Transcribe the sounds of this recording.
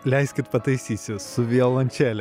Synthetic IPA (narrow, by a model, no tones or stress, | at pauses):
lʲɛɪsʲkʲɪt̪pɐt̪ɐɪsʲiːsʲɪsʊʋʲiɛlˠɐnʲt͡ʃʲæːlʲɛ